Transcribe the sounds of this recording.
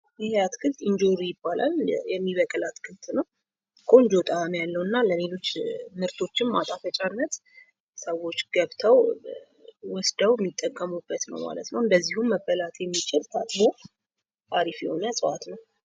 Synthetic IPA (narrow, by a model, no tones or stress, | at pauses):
jɪhat̪kʰɨlt̪ɨɲd͡ʒoɾjɪbːalʔa̰ljɛmːiβəkʼɨlat̪kʰɨlt̪ʰʼnəw | kʰʼo̞nd͡ʒo̞t̪ʼanjalːəwɨnːaləlelo̞t͡ʃːmɨɾt̪ʰo̞t͡ʃːɪmmat̪ʼafət͡ʃʼanːət̪ | səwo̞t͡ʃːɡ̥əβt̪ʰəw | wɔsd̪əwmːit̪ʼːəkʼːəmubət̪nə̰wma̰lə̰t̪nəwɨnd̪əzːihumːəbəlat̪jɛmːit͡ʃʼɪɾt̪ʰat̪ʼbo | t̪aɾifjɛho̞nəsʼəʔat̪nəw